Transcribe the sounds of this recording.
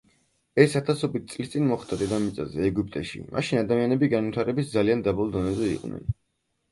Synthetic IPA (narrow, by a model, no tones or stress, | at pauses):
ɛsat̪ʰasɔbit̪̚tsʼlist̪ʼinmɔχd̪ad̪ɛd̪amit̪sʼa̰zɛːɡyp̚ʼt̪ʼɛʃḭmʔa̰ʃinad̪amianɛbiɡanvit̪ʰaɾɛbisd̪zaliand̪abɔlˠd̪ɔnɛzɛḭqʼvnʔɛ̰n